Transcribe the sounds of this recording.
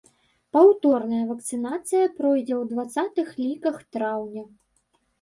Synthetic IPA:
pawt̪ɔrnɐjɐvɐk̚t̪sɨnat̪sɨjɐpɾɔjd͡zʲɛwd̪vat̪sat̪ɨxlʲikɐxt̪ɾawnʲɐ

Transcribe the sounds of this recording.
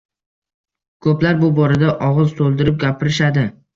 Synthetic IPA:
kʰɵplaɾbʊbɒɾad̪aʔɒʁɨzt̪ʰolˠd̪ɪɾɪp̚ɡʲapʰɪɾɪʃad̪ɪ

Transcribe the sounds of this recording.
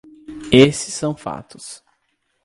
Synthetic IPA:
esɪ̥sːɐ̃w̃fa̰t̪ʊs

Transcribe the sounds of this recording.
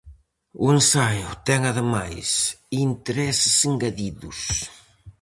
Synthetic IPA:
ʊensajʊt̪ɛŋaðəmajsint̪eɾɛsɪsɪŋɡaðiðus

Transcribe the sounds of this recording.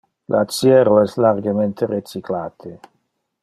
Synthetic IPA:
lʔatsjɛːɾoɛslarɡement̪ʰeret͡ʃiklaːt̪ʰe

